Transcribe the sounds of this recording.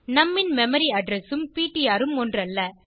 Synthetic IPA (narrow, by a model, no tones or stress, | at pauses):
nɐmːɪnmɛmɐɾiɐɖɾɛsɯmpiːʈːɪjaːɾɯmɔndrɐlːɐ